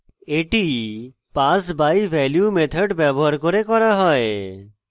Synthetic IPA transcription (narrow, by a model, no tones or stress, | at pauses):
eʈi | pasbajʋʱɛljumet̪ʰəɖbjɛbɔɦaɾkɔɾekɔɾaɦɔe